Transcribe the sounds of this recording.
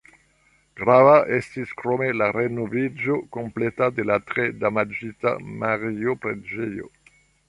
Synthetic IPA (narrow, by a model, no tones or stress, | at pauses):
ɡɾavaʔest̪iskɾomelaɾenovid͡ʒokõmplet̪ad̪elat̪ʁed̪amad͡ʒit̪a̰maʁiopɾḛd͡ʒijo̰